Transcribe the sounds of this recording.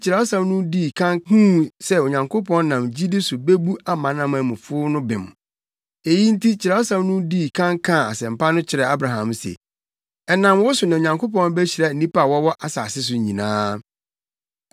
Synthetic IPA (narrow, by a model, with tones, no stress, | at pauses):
t͡ɕʰɪ˨ɾɛ˨ɔ˦sã˦m˦nʊ̃˦diː˦˨kʰã˦ŋhũ˦sɛ˦o˨ɲã˨ŋkʰo˦pʰɔ̃˦n˦nã˨md͡ʑi˦dɪ˦sʊ˨be˦bu˦a˦mã˨nã˦˨mã˨mʊ̃˨fʊ˦nʊ̃˦bɪ̃˨m˨ | e˨ji˦n̩˦tʰi˦t͡ɕʰɪ˨ɾa˨˦ɔ˦sã˦mnʊ̃˦diː˦˨kʰã˦ŋkʰã˦˨a˨sɛ̃˨m˨pʰa˦nʊ̃˦t͡ɕʰɪ˨ɾɛ˨a˦bɾa˨ɦã˨msɛ̰˨ | ɛ˨nã˨mwɔ˦sʊ˨nã˨ɲã˨ŋkʰo˦pɔ̃˦n˦be˦ɕi˨ɾɛ˨n̩˨nĩ˦pa˦˨wɔ˦wɔ˦ʔa˨sa̰ː˨sɪ˦s̬ʊ˨ɲĩ˨nã̰ː˦